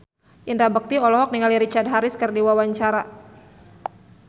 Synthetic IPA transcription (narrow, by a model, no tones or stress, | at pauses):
ʔindɾabək̚t̪iɔlɔɦɔk̚niŋaliɾit͡ʃard̪̚ɦaɾɪskərdiwawaɲt͡ʃaɾa